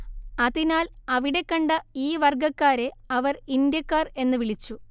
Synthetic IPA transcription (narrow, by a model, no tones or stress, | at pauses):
ɐðinaːlɐʋiɽe̞kːɐɳɖɐiːʋɐrɡɐkːaːɾe̞ɐʋɐrind̪jɐkːaːre̞nːɨʋiɭit͡ɕːu